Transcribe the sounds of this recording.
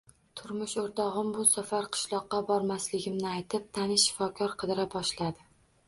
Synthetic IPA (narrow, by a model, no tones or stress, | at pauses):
t̪ʰʊɾmʊʃoɾt̪ʰɒʁɨmbʊsafaɾqʰɨ̥ʃlˠɒqːɑbɒɾmaslɪɡʲɪmnɪajt̪ʰɪp̚t̪ʰanɪʃːɪ̥fɒkʰɒɾqʰɨd̪ɪɾabɒʃlad̪ɪ